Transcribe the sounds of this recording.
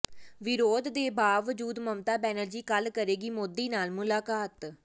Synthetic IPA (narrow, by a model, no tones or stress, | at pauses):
ʋɪɾoːd̪ːeːbaːʋəd͡ʒuːd̪məmt̪aːbɛːnəld͡ʒiːkəlkəɾeːɡiːmoːd̪iːnaːlmʊlaːkaːt̪